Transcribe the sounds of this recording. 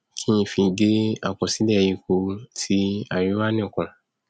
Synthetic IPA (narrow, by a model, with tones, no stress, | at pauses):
kʰĩ˦ĩ˧fĩ˧ɡe˦a̰˨kɔ˨si˨˦lɛ˦˨ji˧ko˧tʰi˧˦a˨ju˨˦wa˦nĩ˦˨kɔ̃˨